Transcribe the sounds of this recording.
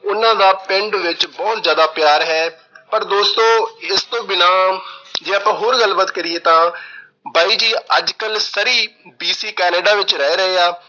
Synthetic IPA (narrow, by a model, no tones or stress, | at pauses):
ʊnãːd̪aːpɪɳɖʋɪt͡ʃbɔːt̪zjaːd̪aːpjaːɾɦɛː | pəɾd̪oːst̪õːɪst̪õːbɪnaːd͡ʒeːaːpãːɦoːɾɡəlbət̪kəɾɪeːt̪ãː | baːiːd͡ʒiːəd͡ʒkəlsəɾiːbiːsiːkɛːneːɖaːʋɪt͡ʃɾɛeːɾəeːaː